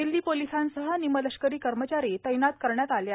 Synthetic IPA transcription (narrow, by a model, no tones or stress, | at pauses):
ild̪iːpolisansəɦənimələɕkəɾiːkəɾmət͡ɕaɾiːt̪əjnat̪̚kəɾɳjat̪alja